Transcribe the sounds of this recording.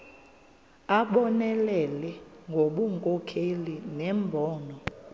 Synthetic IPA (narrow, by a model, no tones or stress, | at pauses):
aɓɔnɛlɛlɛŋɡʱoɓuŋkʼɔkʰelinɛmbʱɔːnɔ